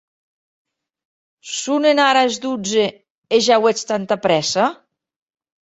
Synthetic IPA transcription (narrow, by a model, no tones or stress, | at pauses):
sunenaɾaezd̪ud͡ze | eʒawet͡st̪ant̪apɾɛsa